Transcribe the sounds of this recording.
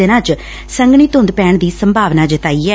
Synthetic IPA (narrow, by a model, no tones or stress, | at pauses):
enãːt͡ʃ | səŋɡɳ̃iːt̪ʊ̃nd̪pɛːɳd̪iːsəmbʱaːʋnaːd͡ʒɪt̪aːiːɛː